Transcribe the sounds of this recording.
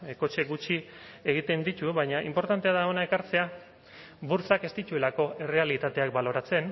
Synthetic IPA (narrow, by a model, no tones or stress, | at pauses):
eko̞t͡ʃe̞ɡut͡ʃieɣit̪e̞nd̪it̪uβajɲaʔḭmpo̞ɾt̪ant̪eaðaonae̞kaɾt͡se̞a | buɾt͡sake̞st̪it̪ue̞lako̞e̞re̞alit̪at̪e̞ak̚balo̞ɾat͡se̞n